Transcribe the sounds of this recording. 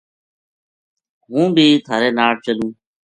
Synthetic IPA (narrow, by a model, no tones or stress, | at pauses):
ɦũːbʱiːt̪ʰaːɾeːnaːʈ̚t͡ʃəlũː